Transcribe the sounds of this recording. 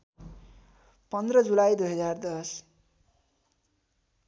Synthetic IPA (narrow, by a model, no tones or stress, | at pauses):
pʌnd̪rʌd͡zulajd̪ujɦʌd͡zard̪ʌs